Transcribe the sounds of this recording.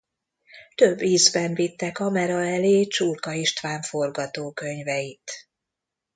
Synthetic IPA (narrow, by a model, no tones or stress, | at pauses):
t̪øbːiːzbɛɱvit̪ːɛkɒmɛɾɒɛleːt͡ʃurkɒiʃt̪ʋaːɱfo̞rɡɒt̪oːkø̞ɲvɛjit̪